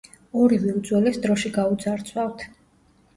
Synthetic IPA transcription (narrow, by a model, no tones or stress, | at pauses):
ɔɾivɛud̪zwɛlɛsd̪ɾɔʃiɡaud̪zaɾt̪sʰwavt̪ʰ